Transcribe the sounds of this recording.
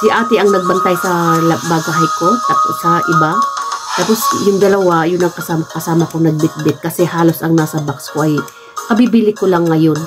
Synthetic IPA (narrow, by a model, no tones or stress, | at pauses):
d̪ɪʔaːt̪ɪʔɐŋnɐɡ̚bɐnt̪ajsɐlɐbaɡɐɦɐjko̞t̪ɐp̪osɐʔɪbat̪aːposjʊŋd̪ɐlɐwajʊnɐŋkɐsaːmkɐsaːmɐkonɐɡ̚bɪt̪̚bɪt̪̚kɐsɛhaːlo̞sʔɐŋnaːsɐbakskoʔɐj | kɐbibiːlɪkolɐŋːɐjo̞n